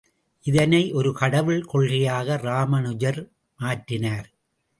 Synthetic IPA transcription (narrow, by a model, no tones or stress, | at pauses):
ʔɪðɐnɐɪʔɔɾɯkɐɽɐʋɪɭkɔɭrɪjaːɣɐɾaːmɐnɯd͡ʒɐɾ | maːʈːɪnaːɾ